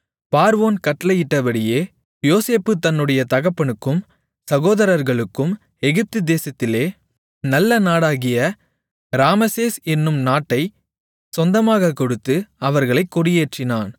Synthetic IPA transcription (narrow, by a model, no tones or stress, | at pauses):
paːɾʋoːnkɐʈːɐlɐjɪʈːɐpɐɽɪjeː | joːseːpːɯt̪ɐnːɯɽɐjɐt̪ɐɣɐpːɐɳɯkːɯm | sɐɣoːðɐɾɐɾɣɐɭɯkːɯm | ɛɣɪp̚t̪ɯd̪eːsɐt̪ːɪleː | nɐlːɐnaːɽaːɣɪjɐ | ɾaːmɐseːsɛnːɯmnaːʈːɐɪ | sɔnd̪ɐmaːɣɐkːɔɽɯt̪ːɯɐʋɐɾɣɐɭɐɪkːɔɽɪjeːʈrɪnaːn